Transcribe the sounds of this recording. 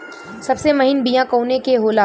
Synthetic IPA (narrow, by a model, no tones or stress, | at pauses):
sɐbsemɐɦɪnbijãkoːnekeɦoːla